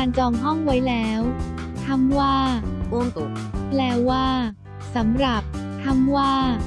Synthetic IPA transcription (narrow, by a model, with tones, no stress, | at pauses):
a˧nt͡ɕɔː˧ŋɦɔ˥˩ŋwa˦˥jlɛː˦˥w | t̪ʰa˧˥˩mwaː˥˩wo˧ŋ˨˩ | lɛː˦˥wːaː˥˩ | sa˩˦mɾa˨˩p̚t̪ʰa˧˥˩mwaː˥˩